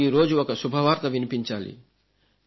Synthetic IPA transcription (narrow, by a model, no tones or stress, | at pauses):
iːɾo̞ːd͡ʒuɔkɐsubʱɐʋaːɾt̪ɐʋinipiɲt͡ʃaːlḭ